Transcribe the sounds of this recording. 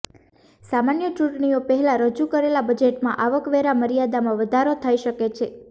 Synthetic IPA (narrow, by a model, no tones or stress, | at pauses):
samanjət͡ʃũʈɳiopəɦɛlaɾəd͡ʒukəɾelabəd͡ʒeʈmãʔaʋəkʋeɾaməɾijad̪amãʋəd̪ʱaɾot̪ʰəiʃəket͡ʃʰe